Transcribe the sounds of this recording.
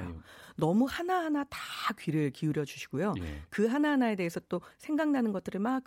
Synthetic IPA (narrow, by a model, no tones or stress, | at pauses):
jo̰nʌmuhanahanatakɥiɾɯɭkiuɾjʌd͡ʑuɕʰi̥ɡ̥ojokɯɦanaɦanae̞de̞ɦesʰʌt͈osʰe̞ŋɡaŋnanɯnɡʌt͈ʰɯɾɯɭmak